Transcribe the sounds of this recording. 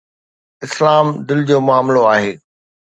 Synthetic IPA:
ɪslaːmd̪ɪld͡ʑoːmʊaːmloaːɦeː

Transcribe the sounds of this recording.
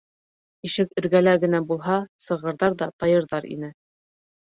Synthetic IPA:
iʃɘkɘ̆ɾɡælæɡɘ̆næbulˠɦɑsɤ̆ʁɤ̆ɾðɑɾðɑt̪ɑjɤ̆ɾðɑɾḭnɘ

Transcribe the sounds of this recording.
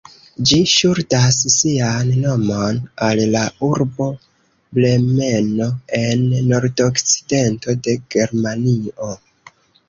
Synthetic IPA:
d͡ʒiʃuɾtassianːo̞mo̞nallauɾbo̞ | ble̞me̞no̞e̞nːo̞ɾdokt͡si̥de̞nto̞de̞ɡ̥e̞ɾmanio

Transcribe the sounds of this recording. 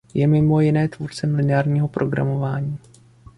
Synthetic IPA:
jɛmɪmo̞jɪnɛːt̪vuɾt͡sɛmlɪnɪaːɾɲiːɦo̞pɾʔo̞ɡɾa̰mo̞vaːɲiː

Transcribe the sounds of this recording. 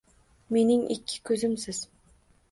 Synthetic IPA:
me̞niŋʔḭkʲʰːɪ̥kʲʰøzymsɪz̥

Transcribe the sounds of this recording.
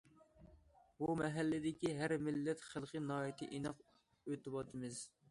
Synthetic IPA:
bumɛɦælːɪd̪ɪkʲiɦæɾmɪlːɛt̪χəlˠqʰənɑːjit̪ʰɪʔinɑq | øt̪ɪbɑt̪ʰɨmɪz̥

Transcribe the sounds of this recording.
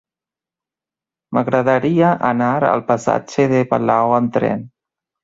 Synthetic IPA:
məɣɾəðəɾiəʔanaɾə̰lˠpasa̰d͡ʒeðepalawənt̪ɾɛ̰n

